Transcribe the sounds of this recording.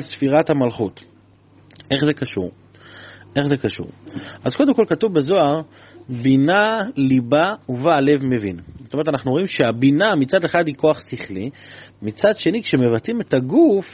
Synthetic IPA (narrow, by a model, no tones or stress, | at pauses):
lsfiʁathamalχut | ʔe̞χzekaʃṵʁ | ʔe̞χze̞kaʃṵʁʔazko̞d̪e̞mko̞lkatuvbezo̞aʁ | binalibauvale̞vme̞vḭnzotomeetanaχnuo̞imʃeabinamit͡sad̪eχadhiko̞aχsiχlimit͡sadʃe̞nikʃe̞me̞vatime̞taɡuf